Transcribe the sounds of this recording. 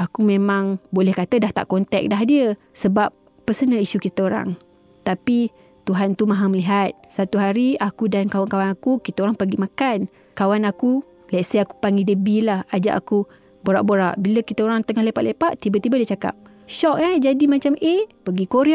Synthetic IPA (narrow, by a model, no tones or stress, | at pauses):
akumẽmãŋbolɛhkat̪ədaht̪a̰ʔkɔnt̪ɛ̰k̚daɦdiə | səbap̚ːəsənəliʃukit̪əoɾa̰ŋ | t̪api | t̪uɦant̪umãɦaməliɦat̪̚sat̪uɦaɾiakudankawankawanakukit̪əoɾaŋpəɡimakan | kawanaku | lɛʔsəaku̥paŋɡidəbilahad͡ʒa̰ʔa̰ku | boɾa̰ʔboɾa̰ʔbiləkit̪əoɾaŋt̪əŋahlepaʔ̪lepaʔt̪ibət̪ibədiət͡ʃaka̰p̚ | ʃɔk̚ad͡ʒadimat͡ʃamʔepəɡikoɾiʔ